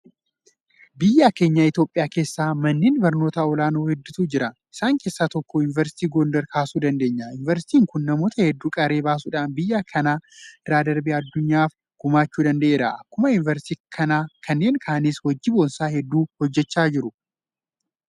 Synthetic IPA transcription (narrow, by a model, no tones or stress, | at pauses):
bɪjːaːke̞ːɲːɐɪt̪jo̞ːpʼːɪjaːke̞ːsːaːmɐnːeːnbɐɾno̞ːt̪ɐɔlaːnoːhɛd̪ːɪt̪uːd͡ʒɪɾɐʔɪsaːŋke̞ːsːaːt̪ɔkːɔɪnvɛɾsɪ̥t̪iːɡoːnd̪ɛɾkʰaːsuːd̪ɐnd̪e̞ːɲːɐɪnɪvɛɾsɪt̪iːŋkʊnːɐmo̞ːt̪ɐhɛd̪ːuːkʼɐɾe̞ːbaːs̬uːᶑaːnbɪjːaːkʰɐnaːɪɾaːd̪ɐɾbiɐd̪ːʊɲːaːf | ɡ̥ʊmaːt͡ʃːuːd̪ɐnd̪ɐʔe̞ːɾɐʔɐkːʊmɐɪnvɛɾst̪iːkʰɐnaːkʰɐnːe̞ːŋkʰaːnishɔd͡ʒːɪboːnsaːhɛd̪ːuːhɔd͡ʒːɛt͡ʃːaːd͡ʒɪɾʊ